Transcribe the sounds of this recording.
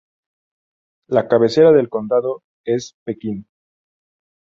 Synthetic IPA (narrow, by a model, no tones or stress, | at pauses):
lakaβe̞se̞ɾaðe̞lko̞nd̪aðo | e̞spekin